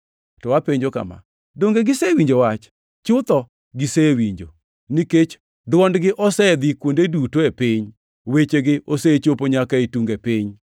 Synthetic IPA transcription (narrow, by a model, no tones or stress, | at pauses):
tɔwapeɲd͡ʒoka̰ma̰ | doŋɡeɡɪsewiɲd͡ʒowat͡ʃ | t͡ʃʊt̪ɔ | ɡɪsewiɲd͡ʒo̰ | niket͡ʃ | dwɔndɡɪʔɔsɛd̪ikwondedutoepɪɲ | wet͡ʃeɡɪʔoset͡ʃopoɲakaetuŋɡepɪɲ